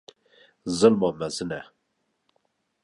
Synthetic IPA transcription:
zɨlmɑmɛzɨnɛ

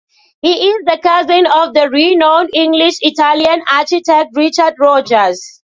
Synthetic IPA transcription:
hiʔɪzðəkazɪ̃nɔvðəɹinõʊ̃nĩŋɡliʃitaliãnat͡ʃitɛk̚tɹit͡ʃadɹɔd͡ʒəz

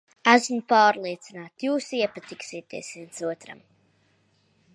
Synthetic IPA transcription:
æsmupaːɾlˠiɛt̪sinaːt̪juːsiɛpat̪iksiɛt̪ḭɛsviɛnsuɔt̪ɾa̰m

